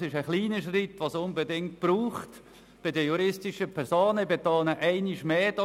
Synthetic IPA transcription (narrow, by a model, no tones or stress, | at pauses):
sɪʃəχliːnəʃrit̪ʋosʊnbedɪŋt̚b̥ɾuːχt | b̥ɪdəjuɾɪstɪʃəpʰɛɾsoːnəbet̪oːnəʔæɪniʃmeːd̥ɑ